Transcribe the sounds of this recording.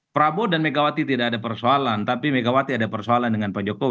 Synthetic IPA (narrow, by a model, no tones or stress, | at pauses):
pɾabodanmeɡawat̪it̪idakadapərsoalant̪apimeɡawat̪iadapərsoalandəŋanpad͡ʒokɔw